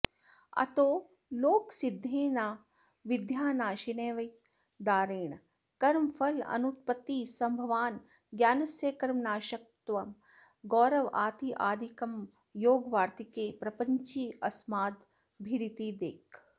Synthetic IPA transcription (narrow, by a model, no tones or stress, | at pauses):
ɐ̰t̪oː | loːksid̪ʱːeːnaː | ʋid̪ʱjaːnaːʃineːʋɐj | d̪aːɾeːɳ | kɐɾmɐfʰɐlɐ̰nut̪̚pɐt̪ːiːsɐmbʱɐʋaːn | ɡjaːnɐsjeːkɐɾmnaːʃɐk̚t̪ʋɐm | ɡɔːɾɐʋaːt̪iʔaːd̪ʱikɐm | joːɡʋaːɾt̪ikeːpɾɐpɐɲt͡ʃiɐsmaːd̪ | bʱiɾit̪iːd̪eːk